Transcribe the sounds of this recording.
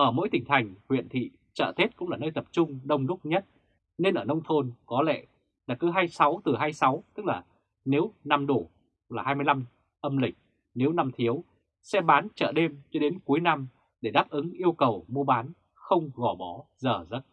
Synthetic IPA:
ʔəː˧˩mo̰˧˥jt̪ï˨˩ŋt̪ʰa˨˩jŋ̟hwḭ˧˨ənt̪ʰḭ˧˨ | t͡ɕə̰ː˧˩t̪ʰe˦˥t̚kʊ̰˧˥ŋ͡mlaː˨˩nəː˧jt̪ə˨˩p̚t͡ɕʊ˧ŋ͡mɗə˧wŋ͡mlʊ˦˥k͡p̚ɲə˦˥t̚ | ne˧nʔəː˧˩nə˧wŋ͡mt̪ʰo˧nkɔ˨˦lɛ̰˧˨ | ɗaː˨˩kɨ˨˦ɦaː˧jsa˨˦wt̪ɨ˨˩ɦaː˧jsa˨˦wt̪ɨ˦˥k̚laː˨˩ | ne˨˦wna˧mɗo˧˩ | laː˨˩haː˧jmɨ˧jla˧m | ʔə˧mlï˨˩k̟̚ | ne˨˦wna˧mt̪ʰi˨˦əw | sɛ˧ɓaː˨˦nt͡ɕə̰ː˧˩ɗe˧mt͡ɕɔ˧ɗe˨˦nku˨˦jna˧m | ɗe˧˩ɗaː˦˥p̚ʔɨ˨˦ŋʔi˧əwkə˨˩wmu˧əɓaː˨˦n | xə˧wŋ͡mɣɔ˧˩ɓɔ˨˦zəː˨˩zə˦˥t̚

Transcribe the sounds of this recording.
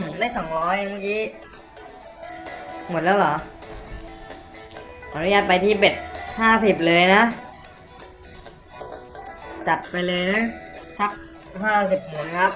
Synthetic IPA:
mː˨˩˦ndaː˧˥˩jsɔ˩˦ŋɾɔː˦˥jma˦˥˩kiː˦˥ | mo˨˩t̪̚lɛː˦˥wlɔː˩˦ | ʔa˨˧˥nu˦jaː˥˩t̪̚pa˧jt̪ʰiː˥˩pe˨˩t̪̚haː˥˩si˨˩p̚lɤː˧jna˦˥ | t͡ɕa˨˩t̪̚pa˧jlɤː˧jna˦˥sʰa˦˥p̚ | ɦaː˥˩si˨˩p̚muː˩˦nkʰa˦˥p̚

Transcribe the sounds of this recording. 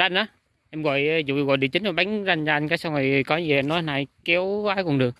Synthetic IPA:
a˧jnʔa˨˦ | ʔɛ˧mɣɔ̰˧˨jzṵ˧˨ɲ˧˩ɔ̰˨ɗi˧˨ət͡ɕï˨˦ŋ̟ɔ˨˩jɓa˨˦ŋza˧jŋt͡ɕɔ˧ʔa˧jŋ̟kaː˨˦jsa˧wŋ͡mva˨˩jkɔ˨˦˧i˨˩˨ʔa˧nːɔ˨˦˧naː˧˩jkɛ˨˦waː˨˦jkʊ˨˩nɗɨ˨˩ək̚

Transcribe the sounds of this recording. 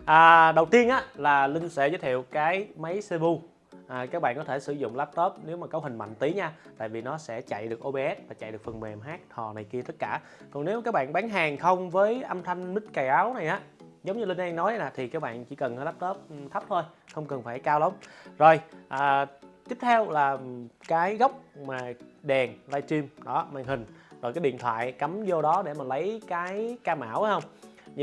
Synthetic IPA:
ʔaː˨˩ɗə˨˩wt̪i˧ənʔaː˨˦laː˨˩lï˧ŋ̟sɛ̰˧˥zəː˨˦jt̪ʰḭ˧˨əwkaː˨˦jma˨˦jse˧ɓu˧ | ʔaː˨˩kaː˦˥k̚ɓa̰ː˧˨nkɔ˨˦t̪ʰe˧˩sɨ̰˧˩zʊ̰˧˨ŋ͡mlaː˦˥p̚t̪oː˦˥p̚ne˨˦wmaː˨˩kə˨˦whï˨˩ŋ̟ma̰˧˨ŋ̟t̪i˨˦ɲaː˧t̪a̰ː˧˨jvi˨˩nɔ˨˦sɛ̰˧˥t͡ɕa̰˧˨jɗɨ˨˩ək̚ʔo˧ɓe˧ʔɛ˦˥t̚vaː˨˩t͡ɕa̰˧˨jɗɨ˨˩əkfə˨˩m˨ɛ˨˩mɦaː˦˥k̚h̪ʰɔ̰˨˩na˨˩jki˧ət̪ə˦˥t̚kaː˧˩ | kɔ˨˩ŋne˨˦wkaː˦˥k̚ɓa̰ː˧˨nɓaː˨˦nɦaː˨˩ŋxə˧wŋ͡mvəː˨˦jʔə˧mt̪ʰa˧jŋ̟mï˦˥t̚ka˨˩jʔaː˨˦wna˨˩jʔaː˨˦ | zə˨˦wŋ͡mɲɨ˧li˧nʔɛ˧ŋnɔ˨˦jlaː˨˩t̪ʰi˨˩kaː˦˥k̚ɓa̰ː˧˨nt͡ɕḭ˧˩˦kə˨˩nhəː˧jla˦˥p̚t̪əː˦˥p̚t̪ʰə˦˥p̚t̪ʰo˧jxə˧wŋ͡mkə˨˩nfaː˧˩jkaː˧wlə˨˦wŋ͡mzo˨˩jʔəː˨˩t̪i˦˥p̚t̪ʰɛ˧wlaː˨˩kaː˨˦jɣə˦˥wk͡p̚maː˨˩ɗɛ˨˩ŋlaː˧jt͡ɕi˧mɗɔ˨˦maː˧˩ŋhï˨˩ŋ̟zo˨˩kaː˨˦jɗḭ˧˨ət̪ʰwa̰ː˧˨jka˨˦mzo˧ɗɔ˨˦ɗe˧˩maː˨˩lə˨˦jkaː˨˦jkaː˧ma̰ː˧˩˨wʔxə˧wŋ͡mɲ˧

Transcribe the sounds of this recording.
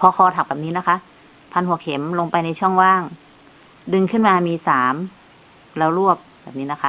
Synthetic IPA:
pʰɔ˧xʰɔː˧t̪ʰa˨˩k̚bɛː˨˩pniː˦˥na˦˥kʰa˦˥ʔ | pʰa˧nhu˨˩˦əkʰe˨˩˦mlo˧ŋpa˧jna˧jt͡ɕʰu˥˩əŋwaː˥˩ŋ | dɯ˧ŋkʰɯ˥˩nmaː˧miː˧saː˩˦m | lɛː˧˥˩wlu˥˩əp̚bɛː˨˩p̚niː˦˥na˦˥kʰa˦˧

